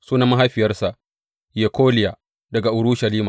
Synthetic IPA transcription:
suː˦na˦mːɐ˦ɦa˦jɸɪ˨jɐ˦rsa˨ʔ | je˨kʰoː˦lɪ˨ja˨ | dɐ˨ɡa˨ʔʊ˨ɽʊ˦ʃɐ˨liː˦maː˨

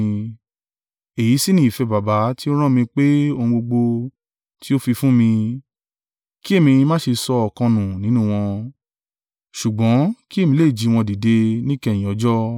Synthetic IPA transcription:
e˨ji˨˦si˦nĩ˦i˨fɛ˧ba˨ba˨˦ti˦o˦ɾ̃ã˦mĩ˧k͡pe˦o˧hũ˧ɡ͡bo˧ɡ͡bo˧ | ti˦o˦fi˧fũ˦mĩ˧ | ki˦e˦˨mĩ˧mãː˦ʃe˧sɔ˧ɔ˨kɔ̃˧nũ˨nĩ˨˦nũ˦˨w̃ɔ̃˧ | ʃu˨ɡ͡bɔ̃˨˦ki˦e˦˨mĩ˧˦le˦˨d͡ʒi˧w̃ɔ̃˧di˨de˧nĩ˦kɛ̃˦˨ĩ˨ɔ˨˦d͡ʒɔ˦

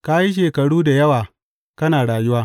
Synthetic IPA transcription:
ka˦ji˦ʃ̬eː˨kɐ˨ɽuː˦da˨jɐ˦waː˨ | kɐ˦naː˨ɽaː˨jʊ˦waː˦

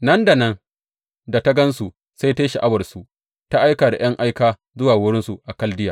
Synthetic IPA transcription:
nɐ˦nda˨nɐ˦n | da˨ta˦ɡɐ˦nsu˨ | sa˦jtaː˦ʃi˨ʔa˦bɐ˨rsu˨ | ta˦ʔa˦jkaː˨da̰˨j̰ɐ˦ŋʔa˦jkaː˦ | zʊ˦waː˨wʊ˦ɽɪ˦nsu˨ʔa˨kɐ˦ldɪ˦jaː˨

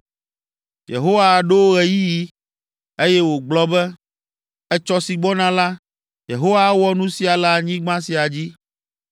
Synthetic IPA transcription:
jḛ˨ɦo˦wa˦˨ɖe˦wo˦ɣɛ˨ji˦ji˦ | e˦jɛ˦wo˨ɡ͡blɔ˦bɛ˦ | ɛ˦t͡ʃɔ˦si˨ɡ͡bɔ˦nã˨la˦ | je˨ɦo˦wa˦wɔ˦nũ˦si˨a˨la˦ɲĩ˦ɡ͡bã˦si˨a˨d͡ʑi˦

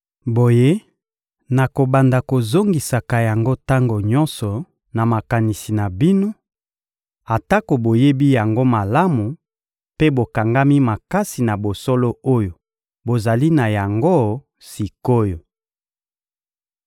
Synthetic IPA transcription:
bo˨je˦ | na˨ko˨ba˨nda˨ko˨zo˦ŋɡi˨sa˨ka˨ja˨ŋɡo˦ta˦ŋɡo˨ɲɔ̃˦nsɔ˨ | na˨ma˨ka˨ni˨si˨na˨bi˦no˦ | a˨ta˦ko˨bo˨je˦bi˦ja˨ŋɡo˦ma˨la˦mu˨ | pe˦bo˨ka˨ŋɡa˦mi˦ma˨ka˦si˨na˨bo˨so˦lo˦o˦jo˨ | bo˨za˨li˦na˨ja˨ŋɡo˦ | si˨ko˦jo˨

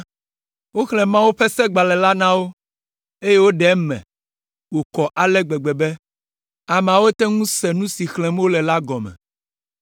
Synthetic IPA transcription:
wo˦xlɛ̃˨mã˦wo˦ɸɛ˦sɛ˦ɡ͡ba˨lɛ˨la˦nã˦wo˦ | e˦je˦wo˦ɖɛ˨˦mɛ̰̃˨ | wo˨kɔ˨ʔa˨lɛ˦ɡ͡bɛ˨ɡ͡bɛ˨bɛ˦ | a˨m̃˨a˨wo˦t̪ɛ˦ŋũ˦sɛ˨nũ˦si˨xlɛ̃˨m˦o˦lɛ˨la˦ɡɔ˨mɛ̰̃˨

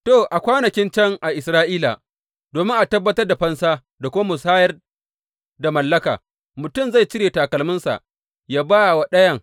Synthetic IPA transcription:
toː˦˨ʔa˨kʷaː˦nɐ˨kʲɪ˦nt͡ʃɐ˦˨ŋʔa˨ʔɪ˨sɾaː˦ʔiː˦la̰˨ | doː˨mɪ˦ŋʔa˨tɐ˦bːɐ˦tɐ˦rda˨ɸɐ˦nsaː˦ | da˨kʷʊ˦ma˦mʊ˨saː˦jɐ˦r | da˨mɐ˨lːɐ˦ka̰ː˨ | mʊ˨tʊ˦˨mza˦˨jt͡ʃɪ˦ɾeː˨taː˨kɐ˨lmʊ˦nsa̰˨ | jaː˦baː˦˨wa˦ɗɐ˦jɐ˦˨ŋ

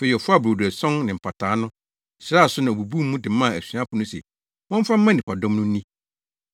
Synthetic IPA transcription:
fe˨i˨ɔ˨fʊ˦a˦˨bɾo˨dæ˨sɔ̃˦nnɪ̃˨m̩˨pʰa˨tʰaː˨˦nʊ̃˦ | sɾa˦˨sʊ˦nã˨o˨bu˨bu˦m˦mũ˦dɪ˨˦mã˦˨æ˨sɥã˦pʰʊ˨nʊ̃˦sɛ̰˨ | wɔ̃˦m˦fã˦m̩˦mã˦nɪ̃˨pʰa˨dɔ̃˦mnʊ̃˦nĩ˦

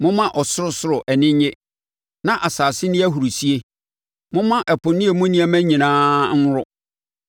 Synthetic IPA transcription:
mʊ̃˦mã˦ʔɔ˨sʊ˦ɾʊ˦sʊ˦ɾʊ˨ʔɛ˨nɪ̃˦ɲ˦ɲɪ̃˦ | nã˦ʔa˨saː˨sɪ˦nɪ̃˦æ˦ɦu˨ɾu˨si˦e˦ | mʊ̃˦mã˦ʔɛ˨pʰʊ̃˨nĩ˦e˨mʊ̃˦nĩ˦æ˨mæ̃˦ɲĩ˨nãː˦n̩˦ɾʊ˦

